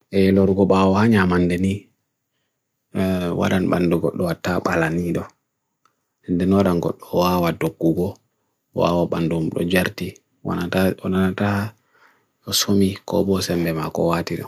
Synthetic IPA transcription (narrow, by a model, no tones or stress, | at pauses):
ʔɛlɔɾɡɔɓawɔhaɲamandɛni | wa̰ɗanɓanduɡɔ̰ɗːɔwatːaɓalaniɗɔ | ɛndɛnɔɗanɡɔ̰ɗːɔwawadoɡːuɡɔ | wa̰waɓandumuɗɔ̰d͡ʒaɾti | wa̰naaɔnanata | jɔsomikɔ̰ɓɔsɛmbɛmakɔ̰watiɗɔ̰